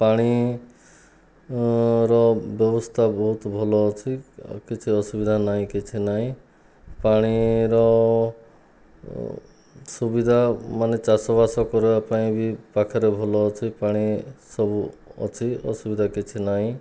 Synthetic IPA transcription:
paɽ̃i | ɾɔbjɔbɔst̪ʰabɔɦut̪bʱɔlɔːt͡ʃʰikit͡ʃʰiɔsubid̪ʱanaɦĩkit͡ʃʰinaɦĩ | paɽ̃iɾɔ | subid̪ʱamanet͡ʃasɔbasɔkɔɾebapaĩbʱipakʰɔɾebʱɔlɔːt͡ʃʰipaɽ̃isɔbuɔ̰t͡ʃʰiɔ̰subid̪ʱakit͡ʃʰinaɦĩ

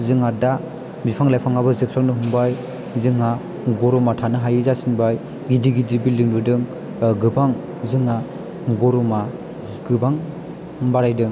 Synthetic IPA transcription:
zɯŋada | bipʰaŋlajpʰaŋabɯzɯk̚saknɯɦuŋbaj | zɯŋa | ɡɔɾɔmatʰanɯɦajɯzasinbaj | ɡidiɡidibildɯŋdɯdɯŋ | ɡɯbaŋ | zɯŋa | ɡɔɾɔma | ɡ̥ɯbaŋ | baɾajdɯŋ

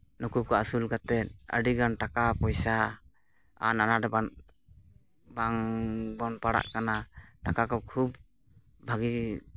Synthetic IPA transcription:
nukukɔasulkat̪ɛt̪̚ə̰ɖiɡanʈakapɔjsa | a̰nanaɾɛban | baŋbɔnpaɽa̰ʔkanaʈakakɔkʰub | bʱaɡi

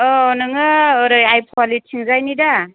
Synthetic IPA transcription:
ɔɔnɯŋɯːɾɯjajpʰoalit̚sʰiŋzajnida

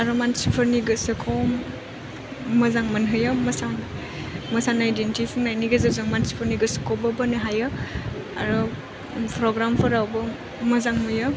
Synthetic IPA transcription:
aɾɔmansipʰɐɾniɡɯsɯkʰɔw | mɐzaŋmɐnɦɯjɯmɐsan | mɐsanaidentipʰiŋnajniɡezɯzɯŋmansi̥pʰɾniɡɯsɯ̥kʰɔbɐbɐnɯɦajɯ | a̰ɾɔ | pʰɾɔɡɾampʰɔɾawbɐ | mɐzaŋmɯjɯ

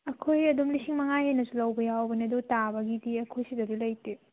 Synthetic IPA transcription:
ɐkʰojɐdumlisiŋmɐŋajhenɐsulɐwbɐjawbɐniɐdutabɐɡidiɐkʰojsidɐɾulɐjte

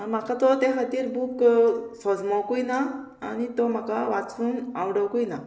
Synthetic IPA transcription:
am̤akʰat̪ɔt̪eɦat̪iːɾbuksɔd͡zmawkujna̰ː | nit̪ɔm̤akaʋat͡suːnawɽəwkujna

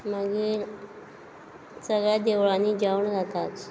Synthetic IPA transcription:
məɡiːɾ | səɡɭjad̪eʋɭaniːd͡ʑawɳd͡zat̪at̪

